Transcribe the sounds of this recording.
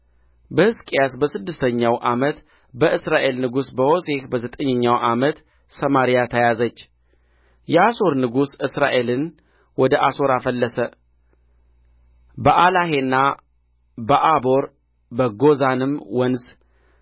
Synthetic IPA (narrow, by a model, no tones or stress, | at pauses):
bəhɨskʼijasbəsɨd̪ːɨst̪ʰəɲːawʔamət̪ | bəʔɨsɾaʔe̞lnɨɡusbəho̞se̞hbəzət̪ʼəɲːəɲːawʔamət̪ | səmaɾijat̪ʰəjazət͡ʃː | jɛaso̞ɾnɨɡusɨsɾaʔe̞lɨn | wɔd̪əʔaso̞ɾafəlːəsə | bəʔalahe̞nːa | bəʔabo̞ɾ | bəɡo̞zanɨmwənz